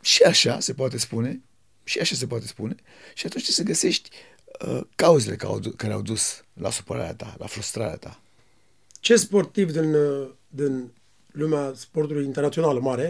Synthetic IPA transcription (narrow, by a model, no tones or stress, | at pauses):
ʃiaʃase̞poat̪e̞spune̞ | ʃiaʃas̬e̞poat̪e̞spune̞ | ʃiat̪unt͡ʃseɡəse̞ʃt̪ʲ | əkauzele̞̰ka̰kaɾea̰wd̪usla̰su̥pəɾa̰ɾea̰t̪a̰la̰fɾust̪ɾaɾea̰t̪a | t͡ʃe̞spo̞rt̪ivd̪in | d̪in | lumeaspo̞rt̪ulujint̪ernat̪sio̞naləmaɾe̞